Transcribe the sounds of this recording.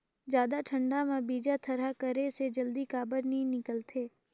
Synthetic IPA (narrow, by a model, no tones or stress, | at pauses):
d͡ʒjaːd̪aʈʰə̃ɳɖamẽbiːd͡ʒat̪ʰɐɾakəɾesed͡ʒɐld̪ikaːbəɾnĩnɪkəlt̪ʰeː